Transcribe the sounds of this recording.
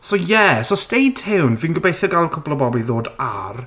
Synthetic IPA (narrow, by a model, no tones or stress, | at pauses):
sojɛsostejdʰhɪwnviːnɡəbejθəɡalˠkʰʊblˠɔbɔblˠiðoːda̰r